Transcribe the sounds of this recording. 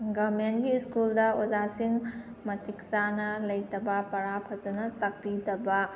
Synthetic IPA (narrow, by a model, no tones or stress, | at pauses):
ɡɐbmentɡiskuldɐozasiŋ | mɐtiksanɐlɐjtɐbɐpɐɾapʰɐzɐnɐtɐk̚pidɐbɐ